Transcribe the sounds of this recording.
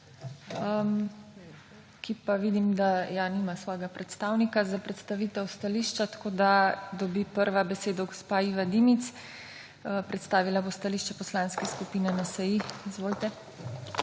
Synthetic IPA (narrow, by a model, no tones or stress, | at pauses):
m | kipaʋid̪imd̪ajaniːmasʋɔjɛɡapɾɛt̪st̪awnikazapɾɛt̪st̪aʋiːt̪ɛwst̪aliːʃt͡ʃat̪ḁkoːd̪ad̪ɔbipəɾʋabɛseːd̪ɔɡɔspaiːʋad̪imit̪s | pɾɛt̪st̪aːʋilabost̪aliʃt͡ʃɛpɔslanskɛskupiːnɛnasajiizʋoːlit̪ɛ